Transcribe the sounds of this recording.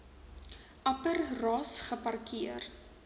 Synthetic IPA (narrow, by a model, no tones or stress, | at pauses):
ʔɐpərrɑːsχəpɐrkiər